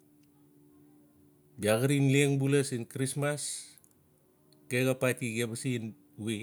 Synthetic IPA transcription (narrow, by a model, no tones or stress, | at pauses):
biaɡəɾinleŋbulɐsinkɾismas | ɡ̥eɡapatiɡebɐsin | wi